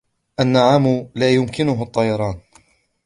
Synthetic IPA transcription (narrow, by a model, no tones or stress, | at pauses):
ʔanːaʕaːmʊlaːjʊmkɪnʊɦʊʔt̪ˤːɑjɑɾˤɑːn